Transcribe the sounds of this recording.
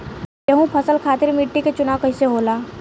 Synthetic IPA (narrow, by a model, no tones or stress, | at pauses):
jẽɦũpʰəsəlkʰat̪iːɾmiʈːiket͡ɕunawkəjseɦola